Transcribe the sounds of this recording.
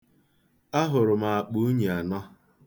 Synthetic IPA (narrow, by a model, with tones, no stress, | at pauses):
a˦ɦʊ˨ɾʊ˨ma˨a˨k͡pu˦u˦ɲi˨a˨nɔ˦